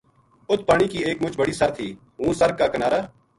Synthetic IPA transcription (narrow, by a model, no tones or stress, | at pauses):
ʊt̪̚ʰpaːɽ̃iːkiːeːkmʊt͡ʃbəɽiːsəɾt̪ʰiː | ɦũːsəɾkaːkənaːɾaː